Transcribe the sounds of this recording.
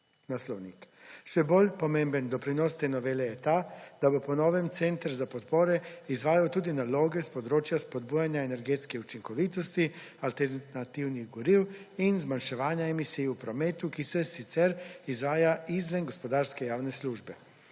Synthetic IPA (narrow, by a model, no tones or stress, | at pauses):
naslɔwnikʃɛboːlʲpɔmembənd̪ɔpɾinɔst̪enɔʋeːlɛjɛt̪aːd̪̥abopɔnɔːʋɛmt̪sɛnt̪ɾzapɔt̪poːɾɛizʋaːjawt̪uːd̪inaloːɡɛspɔd̪ɾoːt͡ʃjaspɔd̪buːjanjaɛnɛɾɡeːt̪skɛut͡ʃiŋkɔʋiːt̪ɔst̪ialt̪ɛɾnat̪iwniɣɡɔɾiwinzmanʃɛʋaːnjaemisijupɾɔmeːt̪ukisɛsit̪sɛɾizʋaːjaizʋɛnɡɔspɔd̪aɾskɛjaːwnɛsluːʒbɛ